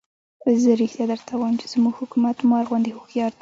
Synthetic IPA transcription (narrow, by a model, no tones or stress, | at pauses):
zəɾext̪jɑd̪əɾt̪ʰawajəmt͡ʃe̥z̥muɡhʊkumat̪mɑɾɣwand̪ihʊxjɑɾt̪